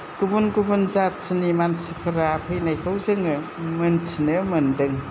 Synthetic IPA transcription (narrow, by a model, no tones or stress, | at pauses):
ɡ̥ubunɡubunzatsinimansipʰɯɾapʰɯjnajkʰawzɯŋɯmɯnt͡sinɯmɯndɯŋ